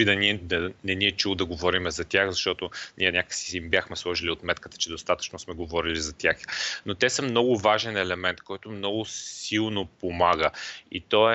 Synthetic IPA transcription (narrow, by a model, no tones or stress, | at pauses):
id̪ɐniɛd̪ɐnɛniɛt͡ʃulˠod̪ɐɡovɔɾimɛzɐt̪ʲjaxzɐʃt̪ɔt̪onʔiɛnʲakə̥ksi̥imbjaxmɛslˠɔʒiliot̪mɛt̪kə̥t̪ə̥t͡ʃɛd̪ost̪at̪ə̥t͡ʃnosmɛɡovɔɾilizɐt̪ʲjaxnot̪ɛsəmnɔɡʊvaʒɛnɛlɛmɛnt̪kɔjt̪ʊmnɔɡʊssilˠnopomaɡəḭt̪ɔɛ